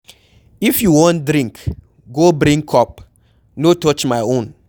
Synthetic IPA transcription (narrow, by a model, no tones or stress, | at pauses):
ifjuwõntdɾĩŋk | ɡobɾĩŋkʰɔp̚ | notɔt͡ʃmaɪõn